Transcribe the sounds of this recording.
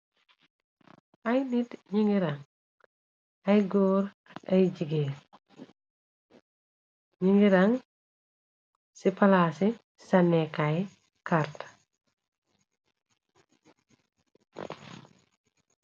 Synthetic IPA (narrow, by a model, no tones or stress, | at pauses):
ɐjnitɲiŋɡiɾaŋ | ɐjɡoːɾ | ɐjɟiɡe | ɲiŋɡiɾaŋ | sipalasi | sanːɛkaj | kaɾt